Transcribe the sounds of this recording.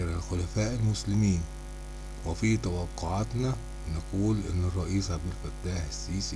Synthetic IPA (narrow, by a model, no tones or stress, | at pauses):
ɾalxʊlæfæːʔɪlmʊslɪmiːn | wefit̪æwɑqːoʕat̪næ | naquːlʔɪ̰nːɪrˤːɑʔiːsʕabd̪ɪlfæt̪ːaːħɪsːiːs